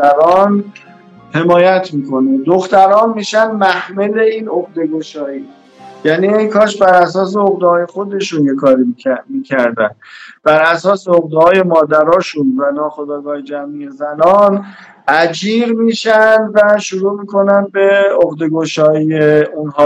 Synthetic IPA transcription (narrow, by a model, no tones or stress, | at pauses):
æɾɒːn | he̞mɒːjæt̪ʰmiːkʰo̞ned̪oxt̪æɾɒːnmiːʃænmæhmele̞iːnoɣd̪e̞ɡo̞ʃɒːiː | jæniːeŋkʰɒːʃ̬bæɾæsɒːs̬e̞oɣd̪ehɒːje̞xo̞d̪e̞ʃunjekʰɒːɾimiːcʰæɾd̪ænb̥æɾæsɒːseoɣd̪ehɒːje̞mɒːd̪æɾɒːʃunvænɒːxo̞d̪ɒːɡɒːhed͡ʒæmije̞zænɒːn | ʔæd͡ʒiːɾmiːʃænd̪væʃuɾuːmiːkʰo̞nænd̪̚be̞oɣd̪e̞ɡoʃɒːiːeunɦɒː